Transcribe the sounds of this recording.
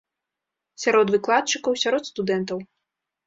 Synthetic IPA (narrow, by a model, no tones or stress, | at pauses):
sʲaɾɔd̪vɨklˠat̪̚t͡ʂɨkɐwsʲaɾɔt̪st̪ud̪ɛnt̪ɐw